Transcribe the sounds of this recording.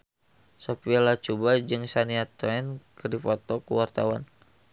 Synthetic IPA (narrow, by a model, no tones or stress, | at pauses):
sopiɛlat͡ʃubad͡ʒɨŋsaniat̪oɛnkədipɔt̪ɔkuwart̪awan